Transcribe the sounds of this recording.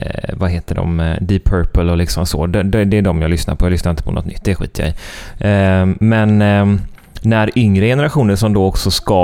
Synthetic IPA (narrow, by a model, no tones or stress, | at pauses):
vaɦeːt̪əɖɔ̰md̪ɪpʰœɾpəlɔlɪksɔmsɔ̰d̪ɛd̪ɛd̪ɛæɖɔmjɑːlʏsna̰ɾpʰɔjɑːlʏsnaɾɪnt̪əpʰɔnɔ̰t̪ːnʏ̰t̪ːd̪ɛɛɧḭːt̪ʰːjɛ̰j | mɛn | næɾʏŋɾəjɛnəɾaɧuːnəɾʂɔmd̪oːɔksɔskɑ